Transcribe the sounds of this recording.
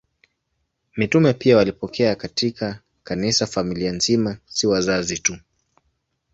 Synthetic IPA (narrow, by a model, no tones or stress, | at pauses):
mitumɛpiawalipɔkʰɛakatikʰa | kanisafamilianzimasiwazazitu